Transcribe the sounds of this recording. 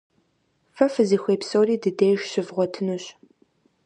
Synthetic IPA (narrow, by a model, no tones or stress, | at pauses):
fɐfɨziːxʷeːpsoːriːdɨdeːʃɕɪvʁʷɔtʰɨnuɕ